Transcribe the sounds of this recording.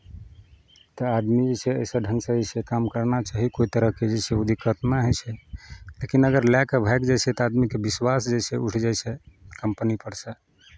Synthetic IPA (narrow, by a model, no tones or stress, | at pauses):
t̪əad̪mid͡ʒet͡ʃʰeə̰sə̃ɖʱənsə̃ɛsʰɛkamkəɾnat͡ʃaɦikoit̪əɾəɦked͡ʒesʰeud̪ʱikət̪naɦɛt͡ʃʰɛlekinəɡəɾlɛkəbʱaekd͡ʒet͡ʃʰɛt̪ɔad̪mikebiswasd͡ʒesʰeuʈʰd͡ʒajsɛkəmpənipəɽsɛ